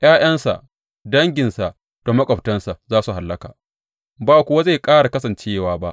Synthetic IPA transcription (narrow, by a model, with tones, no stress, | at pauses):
j̰ʔaː˦j̰ɐ˦nsa̰˨ʔ | dɐ˦ŋɡʲɪ˨nsa˨ʔ | d̥o˨mɐ˦kʷʼɐ˨ɸtɐ˦nsa˨zaː˦su˨ɦa˨lːɐ˦ka̰ː˨ | baː˦˨kʷʊ˦wa˦za˦˨jkʼaː˦ɽa˨kɐ˦sɐ˨nt͡ʃeː˦˨waː˦ba˦ʔ